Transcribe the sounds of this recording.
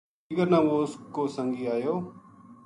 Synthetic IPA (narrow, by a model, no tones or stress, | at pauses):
ɪɡəɾnãːʋoːskoːsəŋɡiːaːjoː